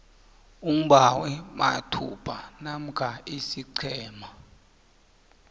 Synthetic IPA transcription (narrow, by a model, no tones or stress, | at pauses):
um̩ɓawɛma̰tʰṵpʰʼanam̩kʰaisiǀʰɛːma